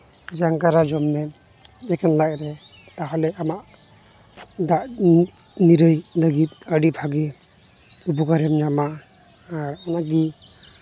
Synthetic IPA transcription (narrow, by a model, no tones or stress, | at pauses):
d͡ʒaŋkaɾad͡ʒɔmːɛn | d͡ʒɛkɛnlaʔɾɛ | t̪aɦɔlɛamaʔ | daʔ | niɾɯjləɡit̪̚aɖipʰaɡi | ubuɡaɾɛmɲamaː | ɾmanaɡi